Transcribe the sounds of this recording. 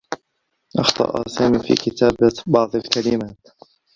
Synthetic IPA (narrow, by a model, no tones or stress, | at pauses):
ʔɑxt̪ˤɑ̰ːʔa̰saːmiːfḭːkɪt̪aːbbɑʕd̪ˤalkalɪmaːt̪